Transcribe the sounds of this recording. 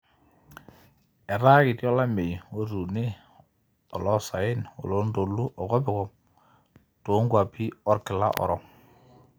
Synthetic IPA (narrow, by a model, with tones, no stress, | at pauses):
ɛ˨ɾa˦kɪ˨tjɔ˦la˦me˨jwo˦ɾu˨nɪ˦ | ɔ˨lɔ˦sa˨ɪ˦no̰˨lo˦ndo˨lu˦ʔɔ˨kɔ˦bɪ˨kɔ˨m | to˨˦ŋɡwa˨pi˦ɔ˦ɾkɪ˨la̰˦ʔɔ̰˨ɾɔ˨ŋ